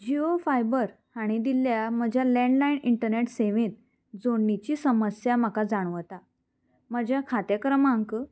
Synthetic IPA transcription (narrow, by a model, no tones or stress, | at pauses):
d͡ʑiofajbəɾ | haɽ̃id̪iljam̤əd͡ʑʱjalɛ̃ɳɖlainiɳʈəɾneʈseʋẽt̪̚ | d͡zoɳːit͡ɕiːsəməsjaməkad͡zaɽ̃ʋət̪a | məd͡ʑjakʰat̪jəkəɾəmaŋkə